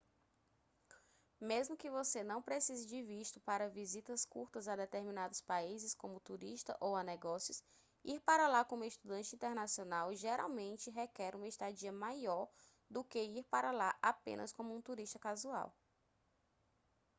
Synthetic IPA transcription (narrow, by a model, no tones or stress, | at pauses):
mezmʊkɪvosenɐ̃w̃pɾesizɐd͡ʒɪviʃt̪ʊpaɾɐvizit̪ɐskṵɾt̪ɐzad̪ɛt̪eɾmĩnad̪ʊspaizɪskõmʊt̪uɾiʃt̪ɐ̰ʔowanɛɡɔsjʊs | iɾpaɾɐlakõũiʃt̪ud̪ɐ̃nt͡ʃɪĩnt̪ɛɾnasionawʒeɾa̰wmẽnt͡ʃɪɦɛkɛɾũmɐeʃt̪ad͡ʒiɐmajɔɾ | d̪ʊkeiɾpaɾɐlaʔapḛ̃nʔɐ̰skõmʊũt̪uɾiʃt̪ɐkazua̰w